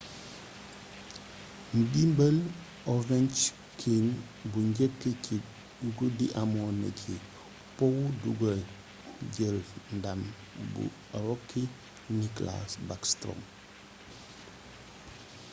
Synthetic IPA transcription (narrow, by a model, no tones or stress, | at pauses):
ndimbəl | ovɛnt͡ʃ | kʰin | buɲɟəkːəi | ɡudiʔamonə̰cʰi | powduɡə | ɟəɾndam | bṵ | ɾokːi | nikla̰sbakstɾo̰m